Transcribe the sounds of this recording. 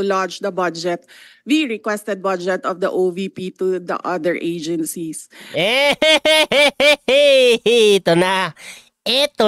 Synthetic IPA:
lant͡ʃd̪ɐbɐd͡ʒɛt̪̚wiɹɪkwɛst̪ɛd̪̚bad͡ʒɛt̪ɔvd̪ɐʔovipit̪ud̪ɐ̰ʔɐd̪ɛɹʔeɪd͡ʒɛ̃nsisʔɛ | t̪ona | ʔɛt̪o

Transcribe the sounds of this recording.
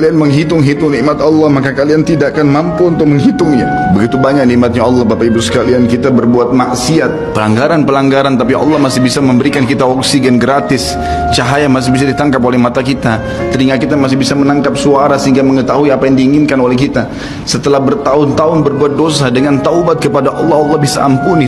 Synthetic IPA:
kalianməŋɦit̪ʊŋɦit̪ʊŋniʔmat̪ɑlˠːɑhmakakaliant̪idakanmampuunt̪ʊk̚məŋɦit̪ʊŋɲa | bəɡit̪ubaɲak̚niʔmat̪̚ɲaɑlːɑhbapaibusə̥kaliankit̪abərbuat̪̚maʔsiat̪̚pəlaŋɡaɾanpəlaŋɡaɾant̪apiʔɑ̰lːɑhmasɪbisaməmbəɾikankit̪aɔksiɡɛnɡɾat̪ɪs | t͡ʃaɦajamas̬ɪhbisadit̪aŋkap̬olɛhmat̪akit̪a | t̪əɾiŋakit̪amas̬ɪbisamənaŋkap̚suaɾasəɦiŋɡaməŋət̪aɦuiapajaŋdiːŋɪnkanolɛhkit̪a | sət̪əlahbərt̪aʊnt̪aʊnbərbuat̪̚dosadəŋant̪aubat̪̚kəpadaʔɑlːɑɦɑlːɑhbisa̰a̰mpuni

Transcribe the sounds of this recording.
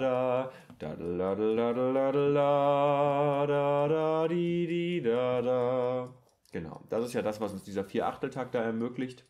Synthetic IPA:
da | d̥a̰dadadada | dadadididada | ɡ̥əna̰ʊd̥asɪstjaːdasv̥asʊnsd̥iːzɐfiːɐʔaχtl̩tʰaːk̚d̥aːɛɐmøːklɪçt

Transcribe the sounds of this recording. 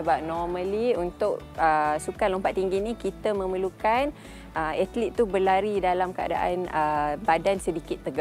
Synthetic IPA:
əbap̚nɔməliunt̪ʊʔəsukanlompat̪ʔ̪iŋɡinikit̪əmə̃məlukan | ʔəɛt̪lit̪̚ːubəlaɾidalamkəa̰da̰ʔanəbadansədikɪt̪ːəɡa

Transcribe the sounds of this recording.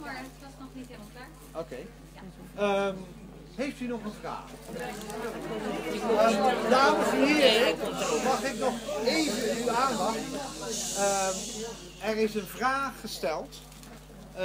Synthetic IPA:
owkej | m | ɦejftynɔχənvra̰ːχ | daːəsəɦɪːɹɪkmɑχɪknɔχejvənyaːndɑχt | ə | ɛɹɪsənvraːχːəstɛlˠt

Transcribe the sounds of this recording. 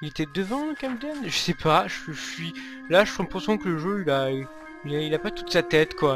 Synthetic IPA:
ilet̪ɛd̪əvɑ̃kʲamd̪ɛnʒəsɛpʰaʒəʒəsɥi | laʒəʃɔ̃mpχɔsɔ̃kələʒøila | ilɛilapat̪u̥t̪sat̪ɛt̪kwa

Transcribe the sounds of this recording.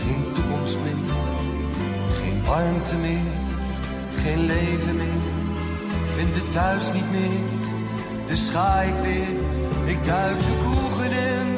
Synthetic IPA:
χejntukɔmstmɪː | χḛjnʔɑɹmtəmɪːɹ | χejnlejvəmɪːɹ | fɪndətœɥsnitmɪː | d̥əsχaːjɪk̚mɪː | ɪk̚dœɥksəvuχənɪn

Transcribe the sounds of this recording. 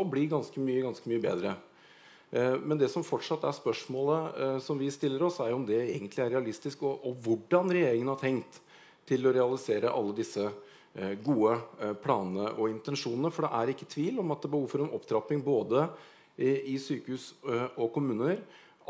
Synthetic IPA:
ɔblɪɡɑnskəmyːəɡɑnskəmyːəbḛːd̪ɾə | mɛnd̪ɛsɔmfɔʈʂɑt̪ːæspœʂmoːləsɔmʋɪst̪ɪlːəɾɔsæɾjʊʊmd̪ɛeːɡənt̪lɪæɾɛɑlɪst̪ɪskɔʔɔʋʊɖːɑnɾɛjeːɾɪŋənhɑɾt̪ʰɛŋt̪ʰː | ɪlɔɾɛɑlɪseːɾəʔɑlːəd̪ɪsːə | ɡuːəpʰlɑːnənəʔɔɪnt̪ɛnʂuːnnəfɔɖɛʔæɾɪkːət̪ʰʋiːlɔmɑt̪̚d̪ɛbəhuːfɔɾɔmʔɔpt̪ʰɾɑpːɪŋboːd̪ə | ɪsyːkəhʉːsɔkʊmʉːnəɾ

